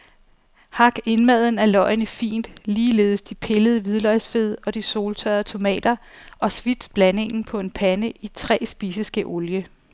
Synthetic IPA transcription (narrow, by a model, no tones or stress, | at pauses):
hɑ̈ɡ̥e̝nmæð̞ˠn̩æɐlɒ̽ɪnəfḭːnd̥liːle̝̰ːðˠəsd̥ipʰe̝ləð̞ˠəʋið̞ˠlɒ̽ɪsfe̝ð̞̰ˠɒ̽d̥iso̝ːlt͡sʰœɐt͡sʰo̝mɛ̰ːd̥ɐʔɒ̽sʋid̥sb̥læne̝ŋn̩pʰɒ̽e̝npʰænəʔit͡sʰʁɛ̰ːsb̥isəsɡ̥əʔoljə